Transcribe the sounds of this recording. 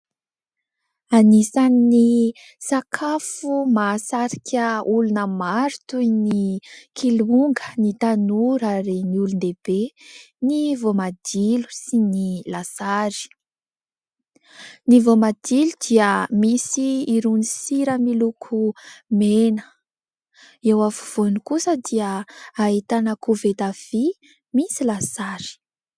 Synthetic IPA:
anisanini | sakʰafumasaɾikʲʰəulunəmaɾu̥t̪ujnikʰiluŋɡənit̪anuɾaɾeniulund̪eb̥e | nivomad̪̥ilu̥sinilasaɾi̥ | nivomad̪̥ilud̪̥iəmisiːɾunisiɾəmilukʰumenə̥ | ewafu̥v̥onikusəd̪iəait̪anakuvet̪av̥i | misilasaɾi̥

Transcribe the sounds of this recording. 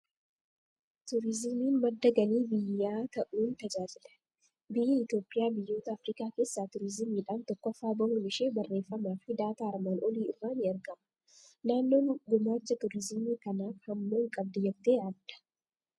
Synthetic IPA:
t̪ʊɾɪzɪmiːnmɐd̪ːɐɡɐniːbɪjːaːt̪ɐʔuːnt̪ɐd͡ʒaːd͡ʒɪlɐ̥ | bɪjːɐɪt̪jo̞ːpʼːɪjaːbɪjːo̞ːt̪ɐːfɾiːkaːke̞ːsːaːt̪ʊɾɪzɪmiːᶑaːnt̪ɔkːɔfːaːboŋɡmɪʃeːbɐrːe̞ːfːɐmaːfɪd̪aːt̪aːɐɾmaːnʔɔliːɪ̰rːaːnɪɐɾɡɐmɐ̥ | naːnːo̞ːɡʊmaːt͡ʃːɐt̪ʊɾɪzɪmiːkɐnaːfhɐmːoːŋkʼɐb̚d̪ɐjɛbt̪eːɐd̪ɐ̥

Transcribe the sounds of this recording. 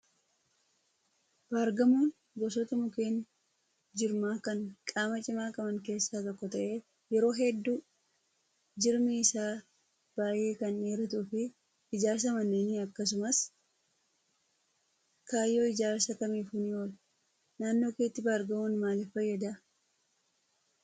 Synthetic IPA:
b̥aːɾɡɐmoːn | ɡɔs̬ɔt̪ɐmʊke̞ːn | d͡ʒɪɾmaːkɐŋkʼaːmɐt͡ʃʼɪmaːkʼɐmɐŋke̞ːsːaːt̪ɔkːɔt̪ɐʔe̞ː | jɛɾo̞ːɦɛd̪ːuː | d͡ʒɪɾmɪɪsaː | b̥aːjʔe̞ːkɐneːɾɐt̪uːfɪ | ɪd͡ʒaːɾs̬ɐmɐnːeːnɪɐkːɐs̬ʊmɐs | kaːjːo̞ːɪd͡ʒaːɾsɐkɐmiːfunɪoːl | naːnːo̞ːkeːt̪ːɪbaːɾɡɐmoːnmaːlɛfɐjːɐd̪ɐ

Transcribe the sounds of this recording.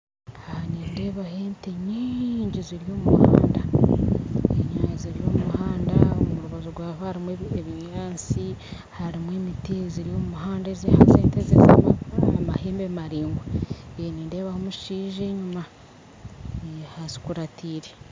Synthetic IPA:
aniːnde̞βaheːmteɲiɲɟiziɾijo̞ːmuha̰ːnda̰ | eɲaːɲiziɾijo̞ːmuhaːndaomuɾuβazoɾɡwaːβahaɾimweeβiɲaːnsi | haɾimweːmitiziɾijoumuɦaːndezehazeːntezeza̰maːmaheːmbemaɾiːŋɡweeniːnde̞ːβahomuʃiːʒeɲuma | hazi̥kuɾatʰiːɾe

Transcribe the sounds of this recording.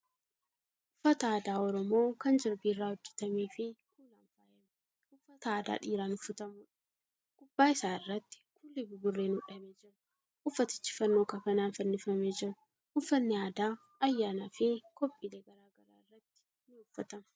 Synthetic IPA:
ʔʊfːɐt̪ɐaːd̪aːɔɾɔmo̞ːkɐnd͡ʒɪɾbirːaːhɔd͡ʒːɛt̪ɐmiːfɪkuːla̰ːnfaːjɛm | ʊfːɐt̪ɐːd̪a̰ːᶑiːɾaːnʊfʊt̪ɐmʊᶑɐ̥ | kʼʊbːaːɪsaːɪrːɐt̪ːɪ̥kʊlːɪbʊɡʊrːeːnʊᶑɐmeːd͡ʒɪɾ | ʔʊfːɐt̪ɪ̥t͡ʃːɪ̥fɐnːo̞ːkɐkɐnaːnfɐnːɪfɐmeːd͡ʒɪɾʊ | ʔʊfːɐnːɪaːd̪aː | ɐjːaːnafɪkɔpʼːileːɡɐɾaːɡɐɾa̰ːɪrːɐt̪ːɪ̥ | nɪʊfːɐt̪ɐmɐ̥

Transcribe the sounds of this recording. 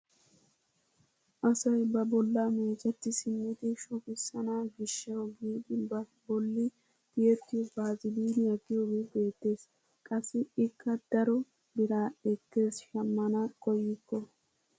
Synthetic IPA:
ʔɐsɐjbɐbɔlːameːt͡ʃʼɛt̪ːɪsɪmːɪd̪ɪʃʊkɪsːɐnaɡɪʃːɐwɡiːd̪ɪbɐbɔlːɪ | d̪̥ɪjɛt̪ːɪjɔbaːzɪliːnɪjɐɡɪjoːɡeːbe̞ːt̪ːe̞ːs | kʼɐsːɪɪkʰːɐd̪̥ɐɾɔ | bɪɾaːɛkːe̞ːsʃɐmːɐnɐkɔjːɪkːɔ

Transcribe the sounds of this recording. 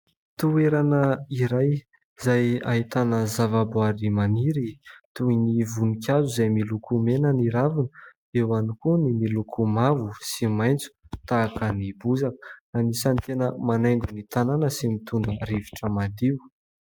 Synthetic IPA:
t̪ueɾanəiɾaj | zaja̰ɦit̪anəzavaboaɾimaniɾit̪uinivunikʲazuzajmilukʰumenəniɾavinə | ewanikunimilukʰumavusimajnt͡su̥t̪aːkənibuzakə̥anisant̪enəmanajŋɡunit̪ananəsimit̪und̪ərivi̥ʈ͡ʂəmad̪iw

